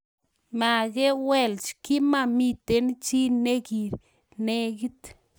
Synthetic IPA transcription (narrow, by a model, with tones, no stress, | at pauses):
ma˨ɡe˦we˧lt͡ʃki˦ma˧mi˧t̪e˦n˦t͡ʃi˦ne˦ɡi˨ɾ | ne˦ɡi˦t̪